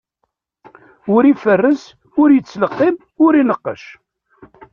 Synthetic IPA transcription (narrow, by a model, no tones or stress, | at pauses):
ʊɾifərːəs | ʊɾjət͡sːləqːɪb | ʊɾinəqːə̰ʃ